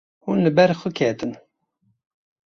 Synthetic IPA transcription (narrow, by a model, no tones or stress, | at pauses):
hunlɨbɛɾxʊkʰɛt̪ɨn